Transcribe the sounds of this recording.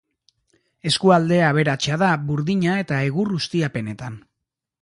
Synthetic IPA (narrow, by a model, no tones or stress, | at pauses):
e̞skuald̪e̞aβ̞e̞ɾat͡ʃaðaβuɾðiɲae̞t̪ae̞ɣurust̪iape̞ne̞t̪an